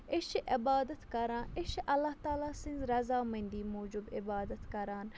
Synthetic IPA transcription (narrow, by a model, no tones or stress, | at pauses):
ɪʃiʔɪbaːd̪ɐt̪kɐɾãːnʔɪʃʔɐlːaht̪aːlaːsĩnzɾɐzaːmɐnʲd̪iːmoːd͡ʒubɪbaːd̪ət̪kɐɾaːn